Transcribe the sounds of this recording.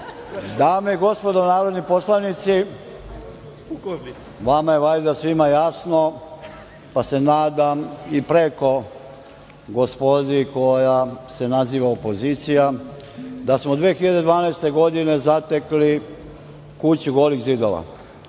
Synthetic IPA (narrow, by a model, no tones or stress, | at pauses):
d̪aːmeiɡo̞spo̞d̪onaːɾo̞d̪nipo̞slˠaʋnit̪si | ʋamajeʋajd̪asʋimajasno̞ | pase̞naːd̪amipɾe̞ko̞ | ɡo̞spo̞d̪iko̞jase̞naziːʋaopo̞ziːt̪sija | d̪asmod̪ʋeːxiʎad̪e̞d̪ʋaːnaest̪e̞ɡo̞d̪ine̞zat̪e̞kli | kut͡ɕuɡoːliɣzid̪o̞ʋa̰